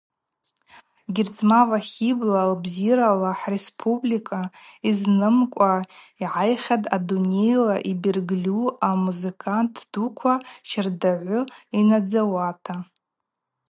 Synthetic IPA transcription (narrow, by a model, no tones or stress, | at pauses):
ɡʲɪrt͡sʼmavaχʲiblalbziɾalaħrespʰublikʰʼaiznɨmkʷʼa | iʕajχʲadadune̞jlaʔibirɡlʲuamuzɨkʼʰantʰd̥ukʷʰaʃɪrdaʕʷʊinad͡zawatʰa